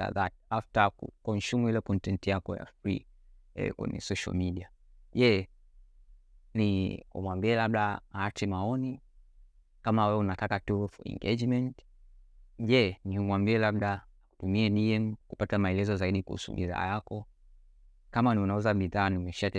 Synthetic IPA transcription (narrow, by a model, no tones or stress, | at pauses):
a̰ðat̚aftakṵkɔnʃumuilɛkɔntɛntjakɔja̰fɾḭɛ̰kwɛ̰ɲɛ̰sɔʃa̰lmiɗia | ʄɛ | niṵmwambiɛlaɓɗaaat͡ʃɛmaɔni | kamawɛwɛunatakatufɛ̰ŋɡɛ̰d͡ʒmɛnt | ʄɛniumwambiɛlaɓɗaː | ku̥tumiɛniɛmkupatamaɛlɛzɔzaiɗikṵhṵsṵɓḭða̰ːjakɔ | kamaniunauzaɓiðaːnimɛʃa